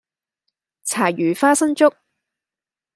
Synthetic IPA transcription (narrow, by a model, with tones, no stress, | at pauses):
t͡sʰaː˨˩jyː˨˩faː˥sɐ˥ŋt͡sʊ˥k̚